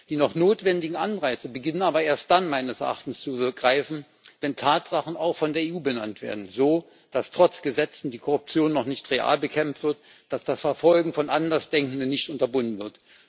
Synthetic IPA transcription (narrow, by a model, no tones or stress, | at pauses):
d̥iːnɔχnoːtv̥ɛndɪɡŋ̩ʔanʁaɪt͡səbəɡɪnənaːbɐʔeːɐst̚d̥anmaɪnəsɛɐʔa̰χtn̩st͡suʁəɡ̥ʁaɪfn̩ | vɛntʰaːtz̥aχn̩aʊxfɔndeːɐeːuːbəna̰ntv̥ḛːɐdn̩zoː | d̥astʁ̥ɔt͡sɡ̥əzɛt͡sn̩diːkʰɔʁʊp̚t͡sjoːnːɔχnɪçtʁeʔa̰ːlbəkʰɛmftv̥ɪɐt | d̥asd̥asfɛɐfɔlɡŋ̩fɔnʔandɐsd̥ɛŋkn̩dənːɪçtʔʊntɐbʊndn̩vɪɐt